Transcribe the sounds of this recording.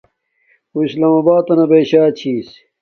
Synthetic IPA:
uislaːmabaːt̪ɐnɐbeɕaːt͡ɕʰiːs

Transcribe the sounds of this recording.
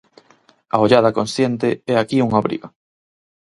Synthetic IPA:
a̰oʎaðɐkonsθjent̪eɛakiuŋaβɾḭɣa

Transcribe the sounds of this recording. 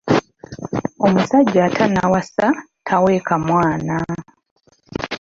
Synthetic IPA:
o̞musaɟːatʰanawasa | tʰaweːkamwaːna

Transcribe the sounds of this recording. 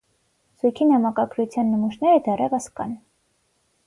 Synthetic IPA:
sujkʰinɑmɑkɑɡɾut͡sʰjɑnːəmuʃnɛɾəd̪ɛrɛvəskɑ̰n

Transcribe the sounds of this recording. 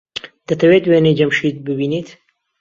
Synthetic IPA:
d̪̥ɐt̪ʰɐwet̪wened͡ʒɐmʃit̪̚bɨbiːniːt̪

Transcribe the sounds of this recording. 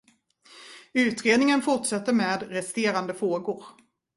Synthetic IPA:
ʉ̟ːt̪ɾeːd̪nɪŋənfʊʈʂɛt̪ːəɾmeːd̪ɾɛst̪eːɾand̪əfɾoːɡʊɾ

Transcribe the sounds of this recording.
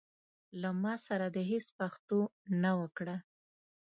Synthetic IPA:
lamɑsaɾad̪əɦespaxt̪onawəkɽa

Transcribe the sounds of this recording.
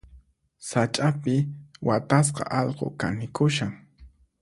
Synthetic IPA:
sat͡ʃʼapɪwat̪as̬qɑ̰ʔɑʎqo̰kanɪkʊʃaŋ

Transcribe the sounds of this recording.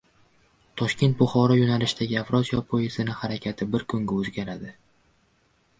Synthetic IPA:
t̪ʰɒʃkʲe̞nt̪̚bʊχɒɾɒjonalɪʃd̪aɡʲɪafɾɒt̪jɒpʰojezɪnɪhaɾakʲʰat̪ʰɪbɪɾkʰʊŋɡʲaɵzɡʲaɾad̪ɪ

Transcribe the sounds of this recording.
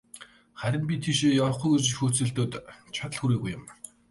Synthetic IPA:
χæɾʲɪ̆npʲit̪ʰiʃejɔɾɞ̆χujɣert͡ɕixuːt͡sɘ̆ɮt̪oːt̪t͡ɕʰat̪ə̆ɮxuɾeːɣujːʊ̆m

